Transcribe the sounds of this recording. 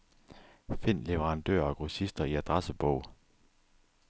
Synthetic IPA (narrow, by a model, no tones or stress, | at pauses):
fe̝n̰le̝ʋeʁɑ̈nd̥ø̰ːɐɒ̽ɡ̥ʁusisd̥ɐiæd̥ʁɑsəb̥ɔʊ̰